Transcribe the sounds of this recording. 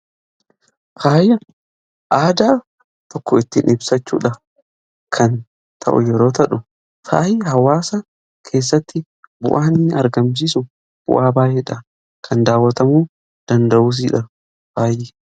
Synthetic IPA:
faːjɐ | ʔaːd̪aː | t̪ɔkːɔɪt̪ːɪnʔɪbsɐt͡ʃːṵːᶑɐ | kʰɐn | t̪ʰɐ̰ʔʊ̰jɛɾo̞ːt̪ɐᶑʊ | fa̰ːjhɐwaːsɐ | kʰe̞ːs̬ːɐt̪ːɪ | bʊ̰ʔaːniːɐɾɡɐms̬iːsʊ | b̥ʊ̰ʔaːbaːjɛːᶑɐ | kʰɐnd̪aːwːɐt̪ɐmuː | d̪̥ɐnd̪ɐʔuːs̬iːᶑɐ | b̥aːjːe

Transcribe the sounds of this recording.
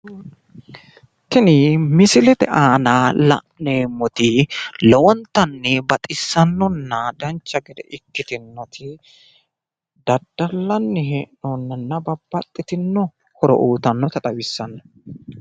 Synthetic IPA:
t̪ɪnɪmɪsɪlɛt̪ɛʔaːnɐlɐ̰ʔneːmːɔt̪ɪlɔwɔnt̪ːɐnːɪbɐt̪ʼɪsːɐnːɔnːɐd̪ɐnt͡ʃːɐɡɛd̪ɛ̰ʔɪkːɪt̪ɪnːɔt̪ʰɪ | d̪̥ɐd̪ːɐlːɐnːɪheʔnɔnːɐnːɐbɐbːɐt̪ʼːɪt̪ɪnːɔ | hɔɾɔ̰ʔuːt̪ɐnːɔt̪ɐt̪ʼɐwɪsːɐnːɔ

